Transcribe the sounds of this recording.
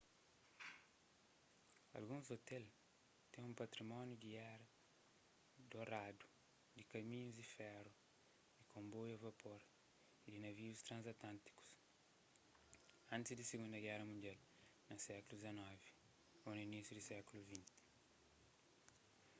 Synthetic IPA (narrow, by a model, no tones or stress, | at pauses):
ɐ̰lɡũzot̪ɛl | t̪ẽŋũmpɐt̪ɾimɔ̃njud̪iɛɾɐ | d̪oɾad̪u̥ | d̪ikɐmĩɲuzd̪ifɛɾu | d̪ikõmbojɐvɐpʰoɾ | id̪inɐviust̪ɾãnzɐt̪ãnt̪i̥ku̥s | ɐ̃nt̪ɪzd̪iseɡũnd̪ɐɡɛɾɐmũnd̪jal | nɐsɛkulud̪izɐnɔvi̥ | onuinisjud̪isɛkuluvĩnt̪ɪ̥